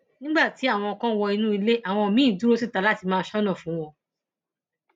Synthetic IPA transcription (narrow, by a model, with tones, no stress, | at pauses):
nĩ˦ɡ͡ba˦˨ti˨˦a˦˨w̃ɔ̃˧ɔ˧kã˦˧wɔ˧i˧nũ˦i˧le˦ʔa˨w̃ɔ̃˧˨mĩ˨˦i˦˨du˦ɾo˦si˦˨ta˨˦la˦ti˧mãː˦˧˦ʃɔ˦nã˦˨fũ˨˦w̃ɔ̃˧